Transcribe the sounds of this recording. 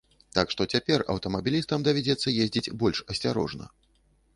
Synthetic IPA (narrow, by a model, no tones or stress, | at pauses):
t̪akʂt̪ɔt͡sʲapʲɛrɐ̰wt̪ɐmɐbʲilʲist̪ɐmd̪ɐvʲad͡zʲɛt̪sːɐjezʲd͡zʲit͡sʲbɔlʲʂɐsʲt͡sʲaɾɔ̰ʐnɐ̰